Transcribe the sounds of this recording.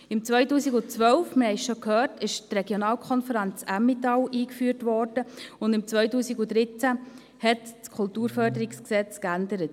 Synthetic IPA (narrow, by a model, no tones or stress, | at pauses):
ɪmt͡sʋœʏtuːsiɡut͡sʋœlfmɪɾhɛɪʃokhœːɾtɪʃtreɡjonɑːlkʰɔnfəɾænt͡sæmːitɑwʔiːkfyːrtʋɔrd̥əʊndɪmt͡sʋœʏtuːsiɡud̥ɾɪt͡sæ | hɛtskʰʊltuːɾfœɾdəɾiksksɛt͡skændəɾət